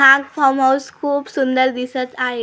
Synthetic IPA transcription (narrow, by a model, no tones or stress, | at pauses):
akfɔmɦawskʰuːpsund̪əɾd̪isət͡saɦe